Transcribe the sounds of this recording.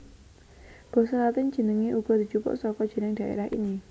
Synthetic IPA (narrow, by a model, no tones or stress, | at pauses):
b̥ɔ̤hsəlat̪ɪn̥ʒ̥ə̤nəŋiʔuɡ̥ɔ̤d̪̥i̤t͡ʃupʊ̰ʔsɔkɔd̥ʒ̥ə̤nɪŋd̪̥ä̤ʔḛɾahʔḭni